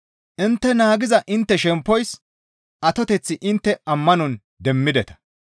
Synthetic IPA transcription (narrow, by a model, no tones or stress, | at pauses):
ʔɪnt̪ːɛnaːɡɪzɐʔɪnt̪ːɛʃɛmpːɔjs | ʔɐt̪ɔt̪ɛt͡sːɪʔɪnt̪ːɛɐmːɐnɔn | d̪ɛmːɪd̪ɛt̪ɐ̥